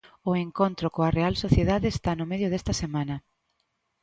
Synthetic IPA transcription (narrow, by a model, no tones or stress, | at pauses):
ʊeŋkont̪ɾʊkoɐrealsoθjeðaðeːst̪anʊmeðjʊðɛst̪ɐsemãnɐ